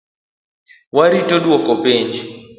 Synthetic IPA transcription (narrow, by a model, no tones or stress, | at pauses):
waɾitodwɔkɔpiɲd͡ʒ